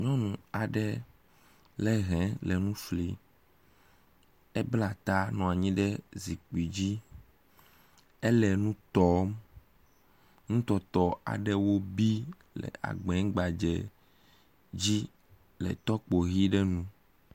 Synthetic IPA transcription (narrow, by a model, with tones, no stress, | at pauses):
ɲɔ̃˦nũ˨a˨ɖɛ˦ | lɛ˦ɦɛ̃˨˦lɛ˨nũ˦fli˨ | ɛ˦bla˨t̪a˦nɔ̃˨a˨ɲĩ˦ɖɛ˦zi˨k͡pi˨d͡ʑi˦ | ɛ˦lɛ˨nũ˦t̪ɔ˦m | nũ˦t̪ɔ˨t̪ɔ˨a̰˨ɖɛ˦wo˦bi˦ | lɛ̰˨a̰˨ɡ͡bɛ˨˦ɡ͡ba˨d͡ʒɛ̰˨ | d͡ʑi˦ | lɛ̰˨t̪ɔ˦k͡po˨ɣi˦ɖɛ˦nũ˦